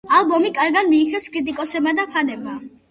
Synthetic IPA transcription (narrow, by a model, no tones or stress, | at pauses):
alˠbɔmikʼaɾɡad̪miːχɛskʼɾit̪ʼikʼɔsɛbmad̪apʰanɛbma